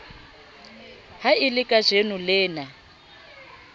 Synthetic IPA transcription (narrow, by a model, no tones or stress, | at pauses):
hailɪkʼaʒ̥enulɪːna